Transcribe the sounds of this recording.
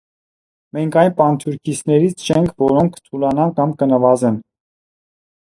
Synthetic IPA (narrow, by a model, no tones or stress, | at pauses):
mɛŋkʰɑjnpɑnt̪ʰjuɾkʰit͡sʰnɛɾit͡sʰt͡ʃʰɛŋkʰvɔɾɔŋkʰt̪ʰulɑnɑnkɑmkənəvɑzɛn